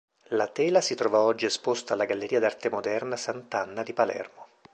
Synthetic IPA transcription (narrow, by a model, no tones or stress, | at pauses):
lat̪ɛːlasit̪ɾɔvaɔd͡ʒːiespost̪aːlːaɡalːeɾiːad̪art̪emod̪ɛrnasant̪anːad̪ipalɛ̰rmo